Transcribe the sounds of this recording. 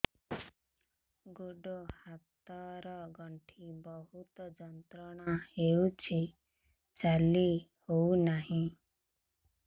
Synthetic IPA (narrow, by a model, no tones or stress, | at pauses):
ɡoɖohat̪ɔɾɔɡɔɳʈʰibɔɦut̪d͡ʒɔnt̪ɾɔɽ̃aheut͡ʃʰi | t͡ʃalihounaɦĩ